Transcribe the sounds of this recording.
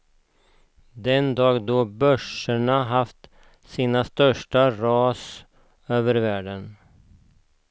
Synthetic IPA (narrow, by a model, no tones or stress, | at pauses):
d̪ɛnd̪ɑːɡd̪oːbœʂəɳaɦaft̪ | siːnast̪œʂʈaɾɑːs | øːvəɾvæːɖən